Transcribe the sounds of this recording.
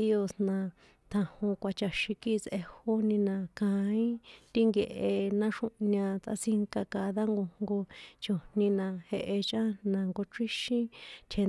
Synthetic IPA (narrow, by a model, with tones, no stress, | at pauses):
i˦o˧snã˧ | t̪ʰã˧hõ˧kʷa˧t͡ʃa˨ʃĩ˧ki˦˧sʔe˧ho˦nĩ˧nã˧kã˧ĩ˦t̪i˦ŋɡe˧ʔe˧nã˦ʂũ˦ʔɲã˧t͡s̪a̰˧˦si˦ŋka˧ka˧˨ða˦ŋɡo˧ŋɡo˧t͡ʃo˨nĩ˧nã˧he˧ʔe˧t͡ʃã˦nã˧ŋɡo˧ʈ͡ʂi˦ʃĩ˦t̪ʰe˧